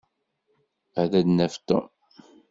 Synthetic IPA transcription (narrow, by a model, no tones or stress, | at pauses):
æðæd̪næft̪o̰m